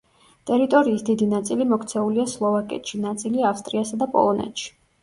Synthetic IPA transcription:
t̪ʼɛɾit̪ʼɔɾiːsd̪id̪inat̪sʼilimɔkʰt̪sʰɛuliaslˠɔvakʼɛ̰t̪ʃinat̪sʼiliafst̪ʼɾiasad̪apʼɔ̰lˠɔnɛ̰t̪ʃi̥

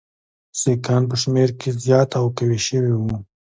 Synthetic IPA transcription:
sekɑːnp̬əʃmeɾkezjɑːt̪awkaweʃəwiwu

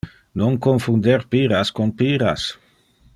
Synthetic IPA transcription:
noŋkoɱfund̪eɾpiɾaskonpiɾa̰s

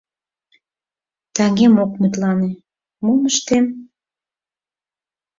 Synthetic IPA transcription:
t̪æŋemok̚mut̪lɑne | muməʃt̪em

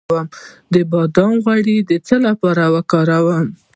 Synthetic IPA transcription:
wəmd̪əbɑd̪ɑmɣwaɽid̪ət͡səlapɑɾawəkɑɾawəm

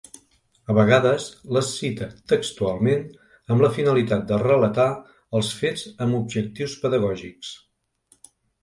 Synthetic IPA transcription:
əβəɣaðəzləsːit̪ət̪əkst̪ualˠmen | əmləfinəlit̪at̪̚d̪ərələt̪a | əlˠsfezəmubʒək̚t̪iwspəðəɣɔʒiks

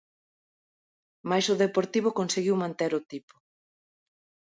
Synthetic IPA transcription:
majsʊðepoɾt̪iβ̞ʊkonseɣiwmãnt̪eɾʊt̪ipʊ̥

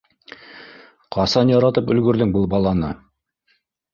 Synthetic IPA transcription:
qʰɑsɑnjɑɾɑt̪ɤpɵ̆lɡɵ̆ɾðɵŋbɤlˠbɑlˠɑnɤ

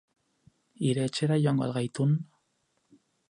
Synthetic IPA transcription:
iɾe̞ːt͡ʃe̞ɾajʝoaŋɡoa̰lɣajt̪un

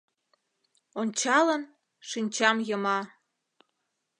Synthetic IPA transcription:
onʲt͡ɕɑlən | ʃinʲt͡ɕɑmjəmɑ

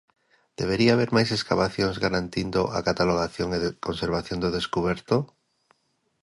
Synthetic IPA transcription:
d̪̥eβ̞eɾiaaβ̞eɾmajseskaβaθjoŋzɣaɾant̪ind̪oʔa̰kat̪aloɣ̞aθjoŋeðkonseɾβaθjond̪oðeskuβ̞ɛɾt̪o

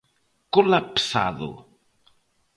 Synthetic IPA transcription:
kolapsa̰ðo̰

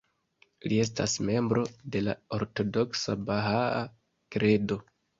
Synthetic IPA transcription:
lie̞s̬tasme̞mbɾo̞de̞laoɾto̞do̞ksabaɦaa | kɾe̞do̞

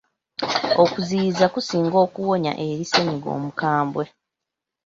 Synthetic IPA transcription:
okuzizakusiːŋɡo̞ːkuwo̞ɲa̰ʔeɾiseniɡo̞̰ːmukaːmbwe̞

